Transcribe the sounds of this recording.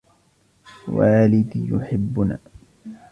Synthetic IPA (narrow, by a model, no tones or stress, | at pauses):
waːlɪd̪ijʊħɪbːʊna̰ː